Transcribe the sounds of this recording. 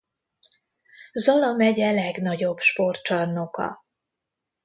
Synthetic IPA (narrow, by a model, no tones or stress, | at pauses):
zɒlɒmɛɟɛlɛɡnɒɟo̞bʃpo̞rt͡ʃɒrnokɒ̰